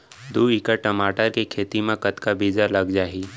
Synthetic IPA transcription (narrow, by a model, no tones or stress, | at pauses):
d̪uːikəʈɐmaːʈəɾkikʰeːt̪imẽkət̪kabiːd͡ʒalɐɡd͡ʒaːɦiː